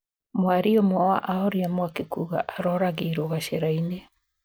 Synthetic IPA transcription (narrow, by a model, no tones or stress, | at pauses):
mwaɾiomɔa̰ʔaɔɾiamwakekuɣa̰ʔaɾɔɾaɣeiɾoɣaɕeɾaine